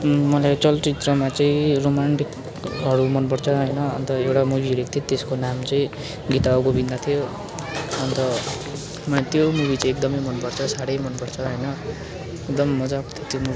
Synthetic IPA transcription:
mʌlat͡sʌlʈit̪rʌmat͡sʌĩromanʈik | ɦʌɾumʌnpʌɽt͡sʰʌɦʌjnʌːnt̪ʌewʈamuɡiʌɾekʰt̪ʰot̪eskonamt͡sʌĩ | ɡit̪aʌkobind̪at̪ʰijo | ʌnt̪ʌ | mʌnet̪jomuβit͡sʌĩek̚d̪ʌmʌjmʌnpʌrt͡sʰʌsaɽʌjmʌnpʌɽt͡sʰʌɦʌjnʌ | ek̚d̪ʌmːʌd͡zakt̪ʰt̪jomu

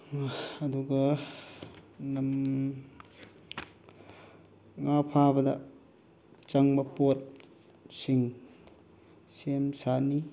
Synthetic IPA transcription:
duɡɐ | nɐm | ŋapʰabɐdɐ̰ | t͡ʃɐŋbɐpot̚ | siŋ | semsani

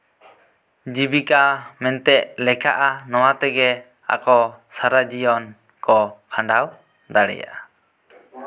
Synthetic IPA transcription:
d͡ʒibikamɛnt̪ɛʔlɛkʰaʔanɔwat̪ɛɡɛ | a̰kɔsaɾad͡ʒijɔn | kɔkʰãɳɖaw | d̪aɽɛ̰ja̰ʔa

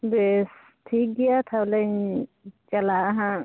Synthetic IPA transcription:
bes | tʰik̚ɡijat̪ʰablɛɲ | t͡ʃalaɦã

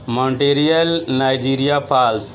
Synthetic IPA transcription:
mə̃ɳʈeːɾijəlnaːjd͡ʒiːɾijapʰaːls

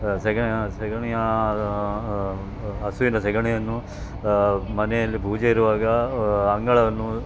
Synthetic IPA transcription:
sɛɡɐɳjɐsɛɡɐɳɛjɐ | ɐsuʋinɐsɛɡɐɳɛjɐnːu | mɐnɛjɐlːibʱuːd͡ʒeiɾuʋaːɡɐɐŋɡɐɭɐʋɐnːu

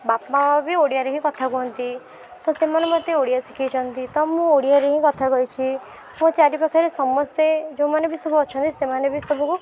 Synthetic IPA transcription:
bapmaabʱioɽijaɾeɦĩkɔt̪ʰakuɦɔnt̪i | t̪ɔsemanemɔt̪ːeoɽijasikʰit͡ʃʰɔnt̪it̪ɔmũoɽijaɾeɦĩkɔt̪ʰaɡɔjt͡ʃʰi | mũt͡ʃaɾipakʰaɾesɔmːɔst̪ed͡ʒõmanebʱisɔbʱuɔt͡ʃʰɔnt̪isemanebisɔbʱuku

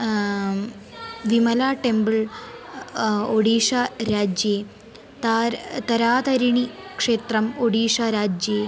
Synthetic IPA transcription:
ʋimɐlaːʈembɨɭ | oɽiːʂaɾaːd͡ʒjeː | t̪aɾt̪ɐɾaːt̪ɐɾiɳikʂeːt̪ɾɐmoɽiːʂaɾaːd͡ʒjeː

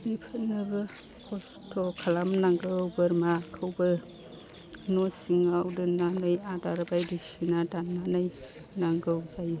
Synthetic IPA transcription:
bipʰɯnːɯbɐ | kʰos | tʰokʰalamnaŋɡɯːwbɐɾmakʰɯwbɯ | nosiŋawdɯnanɯjadaɾbajdisinatanːanaj | naŋɡɯwzaj

